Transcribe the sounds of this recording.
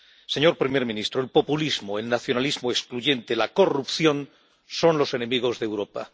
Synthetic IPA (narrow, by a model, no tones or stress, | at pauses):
se̞ɲo̞ɾpɾime̞ɾmĩnist̪ɾoelpo̞pulizmoelnaθjo̞nalizmoeskluʝe̞nt̪e̞lako̞rupθjo̞n | so̞nlo̞se̞ne̞miɣ̞o̞zðewɾo̞pa